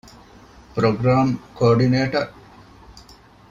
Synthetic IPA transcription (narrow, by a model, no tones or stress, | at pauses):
pɾoɡɾaːmkoːɾɖineːʈɐɾ